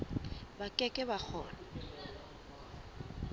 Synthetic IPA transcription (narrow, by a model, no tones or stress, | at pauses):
bakʼɛkʼɛbak͡xʰɔːlɔ